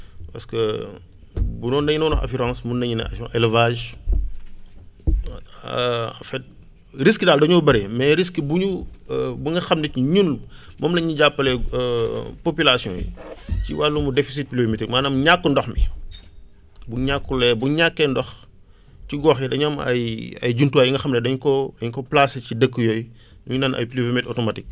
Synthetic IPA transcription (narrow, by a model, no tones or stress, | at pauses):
pɐskə | bunɔːndɐɲinɐwnɔxɐ̰fiɾãːsmunɐɲinɐ̰ʔɛlvaːʒ | fɛt̚ | ɾiskdaːldɐɲɔbɐɾɛmɛɾiskbuɲubuŋɡɐxɐmnɐcuɲun | mɔmlɐɲuɟapːɐlɛ | popilasjɔ̰̃jḭcḭwalːumudefis̬it̚plivmitikmaːnɐmɲakːundɔxmḭ | buɲakːulɛbuɲakːɛndɔx | ciɡɔːxjɛdɐɲɐmɐ̰jɐ̰jɟuntuajiŋɡɐxɐmnɛdɐɲkɔdɐɲkɔplasɛcidəkːəjɔj | duɲunɐnʔɐ̰jplivimitɔtɔmɐtik̚